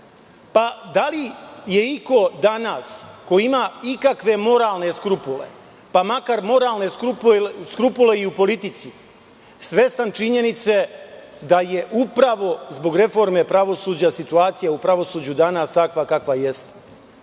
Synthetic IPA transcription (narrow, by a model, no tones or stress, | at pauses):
pad̪alije̞iko̞d̪anasko̞imaikakʋe̞mo̞ɾaːlˠne̞skɾupulḛ | pamakaɾmo̞ɾaːlne̞kupskɾupule̞iupo̞lit̪it̪si | sʋe̞st̪ant͡ʃiɲe̞nit̪se̞d̪aje̞ʔupɾaʋo̞zbo̞ɡɾe̞fo̞ɾme̞pɾaʋo̞suːd͡ʑasit̪uaːt̪sijaupɾaʋo̞suːd͡ʑud̪anaːst̪akʋakakʋaje̞st̪